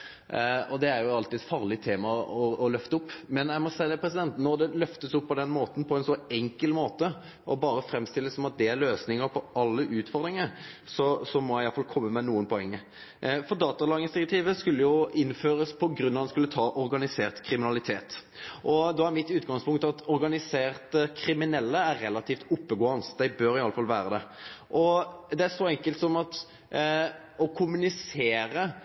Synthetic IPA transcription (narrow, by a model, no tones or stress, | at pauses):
ɔd̪ɛæɾjʊɑlt̪ɪɛt̪fɑːʁlɪt̪ʰeːmɑɔɔlœft̪əʊpːmɛnjæɪmɔsæɪəd̪ɛpʰɾɛsɪd̪ɛnt̪nɔɾd̪ɛlœft̪əsʊpːɔd̪ɛnmoːt̪n̩pʰɔɛnsɔɛŋkəlmoːt̪ə | ʔɔbɑːɾəfɾɛmst̪ɪlːəsɔmɑt̪̚d̪ɛæɾløːsnɪŋəɾpʰɔɑlːəʔʉːt̪fɔʁd̪ʁɪŋəɾ | sɔsɔmɔjæɪjɑlfɑlkʰɔmːəmɛnuːənpʰɔɛŋːə | fɔd̪ɑːt̪ɑlɑɡɪənsd̪ɪɾɛk̚t̪ʰiːʋəskʉlːəjʊɪnːføːɾəspʰɔɡɾʉnːɑd̪ɑnskʉlːət̪ʰɑːʔɔɾɡɑnɪseːʁt̪kʰɾɪmɪnɑlɪt̪ʰeːt̪ | ʔɔd̪ɔːæɾmɪt̪ːʉːt̪ɡɑŋspʊŋkt̪ɑt̪ɔɾɡɑnɪseːʁt̪əkʰɾɪmɪnɛlːəæɾːɛlːɑt̪ʰiːft̪ʊpːəɡoːənsd̪æɪbøːɾɪɑlːəfɑlʋæːɾəd̪ɛʔɔd̪ɛæʂɔɛŋkəlt̪sɔmɑt̪ | ɔkʰʊmʉnɪseːɾə